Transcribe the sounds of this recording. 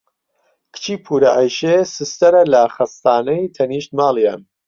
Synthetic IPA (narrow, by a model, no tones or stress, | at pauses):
kʰɨ̥t͡ʃʰiːpʰuːɾɐʕajʃesɨst̪ɐɾɐlɐχɐst̪aːnɐjt̪ʰɐniːʃt̪maːlˠija̰n